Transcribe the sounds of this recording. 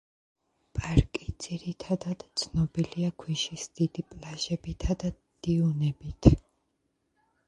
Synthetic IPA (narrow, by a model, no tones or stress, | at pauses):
pʼaɾkʼid̪z̥iɾit̪ʰad̪ad̪̥t̪sʰnɔbiliakʰwiʃisd̪̥id̪ipʼlaʒɛbit̪ʰad̪a | d̪̥iunɛbit̪ʰ